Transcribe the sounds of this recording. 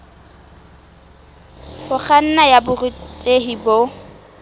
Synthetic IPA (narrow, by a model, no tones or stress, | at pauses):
hʊk͡xʰan̩najabʊritʼeɦibo